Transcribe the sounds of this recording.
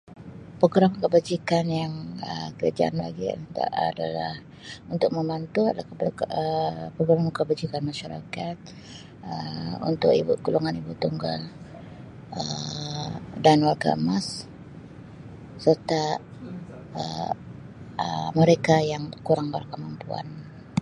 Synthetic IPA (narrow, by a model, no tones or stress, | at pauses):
pəɡɾamkəbad͡ʒikanjaŋə̰kəɾa̰d͡ʒa̰ʔa̰nla̰ɡḭt̪a̰a̰da̰la̰h | unt̪ʊk̚məmant̪uat̪lakəpəpəɡuɾamkəbad͡ʒikanmaʃaɾa̰kat̪̚ | əṵnt̪ʊ̰kḭbṵɡ̥uluŋanibuʔt̪uŋɡa̰l | ə | danwarɡa̰əmas | ərt̪a | ə | əməɾekajaŋkuɾaŋba̰rkəmampua̰n